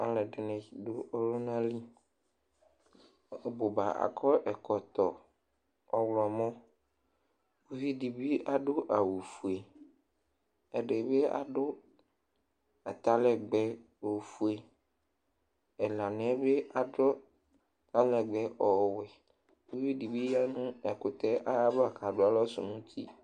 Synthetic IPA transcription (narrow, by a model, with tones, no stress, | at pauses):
a˨lɛ˨ɖe˨nɛ̃˨i˨ɖo˦ʔɔ˦lo˦nã˦li˦˨ | bo˨ba˨ʔa̰˨kʰɔ˦ʔɛ˨kɔ˨t̪ɔ˨ | ɔ˨wlɔ˨mɔ̃˦ | wo˦vi˦ɖi˨bi˦ʔa˨ɖo˦ʔa˨wu˨fu˨e˨ | e˨ɖe˨be˦a̰˨ɖo˦ | a˨t̪a˦lɛ˦ɡ͡bɛ˦ | o˨fu˨e˨ | ɛ˨la˨nɛ̃˦be˦ʔa˨dɔ˦˨ | t̪a˦lɛ˨ɡ͡bɛ˦ʔɔ˨wɛ˨ | u˦vi˦di˨bi˦ja˦nũ˦ɛ˨kʊ˨t̪ɛ˦ʔa˦ja˦ba˨kʰa˨ɖʊ˦a˦lɔ˦sʊ̰˨nũ˦t̪ʰi˦